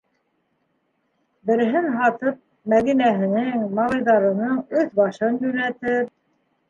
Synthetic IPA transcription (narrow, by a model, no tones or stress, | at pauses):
bɘ̆ɾɘ̆ɦɘnɦɑt̪ɤp̚ | mæðinæɦɘ̆nɘŋmɑlˠɤ̆jðɑɾɤ̆nɤɴɵθbɑʃɤnjɵ̆læt̪ɘp̚